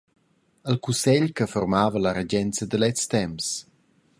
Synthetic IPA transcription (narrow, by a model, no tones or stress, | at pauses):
əlkusɛʎkəfɔrmaːvəlaɾed͡ʑɛnt͡səd̪əlɛt͡st̪ɛms